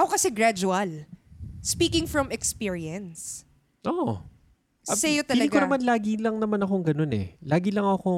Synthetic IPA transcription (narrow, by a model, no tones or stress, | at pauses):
ʔɐokɐsɛɡɾad͡ʒuɐl | spiːkɪ̃ŋfɹɐmɛkspiɹiɐns | ʔoʔ | sɛjot̪ɐɐiːɡkonɐɐmanlaːɡilɐŋnɐmanɐko̞ŋɡɐno̞nɛ̰laːɡilɐŋɐko̞